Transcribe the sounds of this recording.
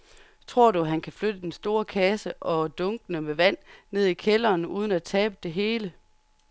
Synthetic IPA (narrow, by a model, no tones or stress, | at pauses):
t͡sʰʁo̝ɐ̰d̥uɦænkʰæflød̥əd̥ensd̥o̝ːɐkʰæsəʔɒ̽d̥ɔ̽ŋɡ̥nəmeʋæn̰ne̝ð̞ˠikʰelɐːnuːð̞ˠən̩æt͡sʰɛːb̥əd̥e̝ɦe̝ːlə